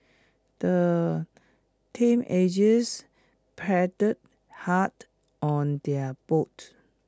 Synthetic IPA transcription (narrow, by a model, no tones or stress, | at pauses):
d̪̥ə | tʰĩmʔed͡ʒəs | pʰɛdəd̚ | hat | ʔɔ̃ndɛəbot